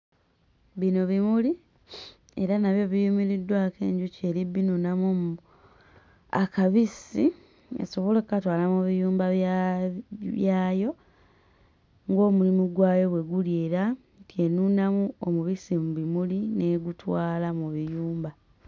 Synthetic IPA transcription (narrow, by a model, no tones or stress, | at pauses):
βino̞βimuli | e̞̰ɾanaβjo̞βijumiɾidːwaːke̞̰ːɲɟuce̞libːinunamom | a̰kaβisi | ḛso̞βo̞le̞kːukatwaːlamuβijuːmba | βjaːjo̞ | ŋɡo̞ːmulimuɡwaːjo̞βwe̞ɡuljeɾa | tje̞nunamuomuβisimuβimulineɡutwaːlamuβijuːmba